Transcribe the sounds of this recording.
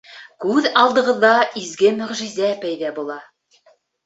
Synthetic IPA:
kʉðɑlˠd̪ɤ̆ʁɤ̆ðːɑʔizɡɘmɵ̆ʁʒizæpæjðæbulˠɑ

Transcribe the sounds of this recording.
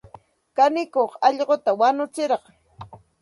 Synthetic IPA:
kanɪkoχɑʎɢot̪awanʊt͡sɪɾɑqɑ

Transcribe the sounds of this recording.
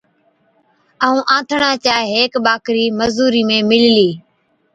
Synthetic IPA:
əːũːʔãːt̪ʰɳaːt͡ʃaːɦeɦeːkɓaːkɾiːməzuːɾiːmẽːmɪlliː

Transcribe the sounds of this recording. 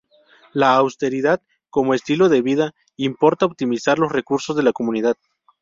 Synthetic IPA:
laːwst̪e̞ɾiðað | ko̞moest̪ilo̞ðe̞βiða | impo̞ɾt̪aop̚t̪imisaɾlo̞sre̞kuɾso̞zðe̞lako̞mũniðað

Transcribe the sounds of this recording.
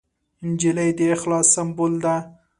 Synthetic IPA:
nd͡ʒɪləjd̪əːxlɑsambold̪a

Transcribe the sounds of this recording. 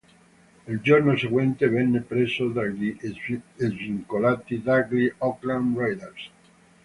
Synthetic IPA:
eld͡ʒoɾnoseɣwɛnt̪evɛnːepɾesod̪ai | eviŋkolat̪id̪aɡliɔklanrajd̪eɾs

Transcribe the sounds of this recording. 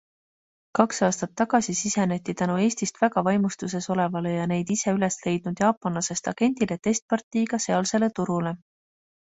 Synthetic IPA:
kɑksɑːst̪ɑt̪ːɑɡ̥ɑsisise̞ne̞t̪ʲːit̪ænue̞ːsʲt̪ist̪væɡ̥ɑvɑjmust̪use̞so̞le̞vɑle̞jɑne̞jd̪̥ise̞yle̞sle̞jd̪̥̚nud̪̥jɑːpˑːɑnlɑse̞st̪ɑɡ̥e̞nd̪̥ile̞t̪e̞st̪̚pɑrt̪ːˑiːɡ̥ɑse̞ɑlse̞le̞t̪uɾule̞

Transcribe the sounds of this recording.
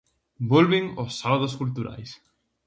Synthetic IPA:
bolβɪŋosːaβaðoskult̪uɾa̰js

